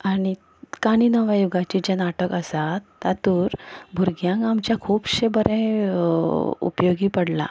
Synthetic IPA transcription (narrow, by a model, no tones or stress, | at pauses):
aɽi | kaɽ̃iːnəʋajuɡat͡ɕid͡ʑanaʈəkəsat̪ːat̪uːɾbʱuɾɡjãɡamt͡ɕjakʰuːpɕebəɾɛ̃ | ṵpjoɡiːpəɽla̰